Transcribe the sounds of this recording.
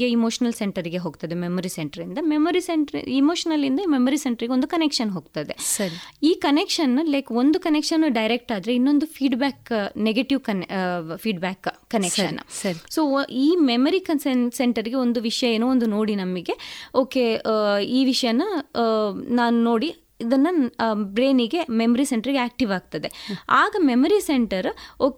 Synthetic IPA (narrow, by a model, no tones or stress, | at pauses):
eimoːʂɐnɐlseɳʈɐɾiɡe̞ɦoːɡt̪ɐd̪ememɐɾiseɳʈɐɾind̪ɐmemɐɾiseɳʈɐɾḭimo̞ːʂɐnɐlind̪ɐiːmemɐɾiseɳʈɐɾiɡeond̪ukɐnekʂɐnɦo̞ːɡ̚t̪ɐd̪e̞sɐɾiiːkɐnekʂɐnːɐlɐːko̞nd̪ukɐnekʂɐnːɖɐjɾek̚ʈaːd̪ɾe̞inːo̞nd̪ufʰiːɖbaːkneɡeʈiʋkɐnfiːɖbæːkːɐnekʂɐ̰n̰ːsɐɾisoːiːmemɐɾikɐnsenseɳʈɐɾiɡe̞o̞nd̪uʋiʂɐjɐeːnoːond̪uno̞ːɽinɐmːiɡe̞oːkeiːʋiʂɐjɐnɐ | naːnuno̞ːɽi | id̪ɐnːɐbɾe̞ːniɡe̞memɐɾiseɳʈɐɾiɡeaːk̚ʈiʋaːɡ̚t̪ɐd̪e̞aːɡɐmemɐɾiseɳʈɐɾoː